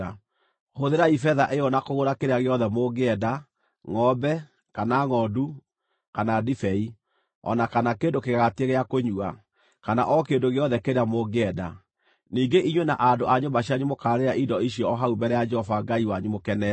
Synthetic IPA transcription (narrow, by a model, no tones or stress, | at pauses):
hoðeɾaifɛðaʔejɔnakoɣoɾakeɾaɣeɔðɛmoɡeɛda | ŋɔbɛ | kanaŋɔdu | kanadifɛi | ɔ̰nakanakeːndokeɣaɣateɣeakoɲua | kanaʔɔkendoɣeɔðɛkeɾeamoɡeɛda̰ | niːɡeʔiɲwɛna̰ʔandoʔaɲombaɕiaɲumokaːɾeɾaʔidɔiɕjɔɔɦaumbɛɾɛjad͡ʒɛhɔvaŋɡaiwaɲumokɛnɛ